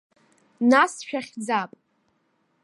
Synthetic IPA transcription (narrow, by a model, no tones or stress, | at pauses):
nasʃᶣaχʲd͡zapʼ